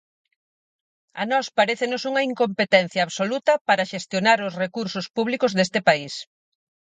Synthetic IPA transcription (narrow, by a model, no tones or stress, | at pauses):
ɐnɔspaɾeθenʊsuŋɐiŋkompet̪ɛn̟θjaːβsolut̪ɐpaɾɐʃest̪jonaɾʊsrekuɾsʊspuβ̞likʊzðest̪ɪpais